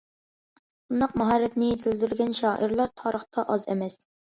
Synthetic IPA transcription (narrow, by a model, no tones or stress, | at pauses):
b̥und̪ɑqmɑɦɑɾːɛt̪nɪjet̪ʰɪld̪yɾɡʲɛnʃɑːʔəɾlˠɑɾt̪ʰɑːɾəχt̪ʰɑʔɑzḛmɛs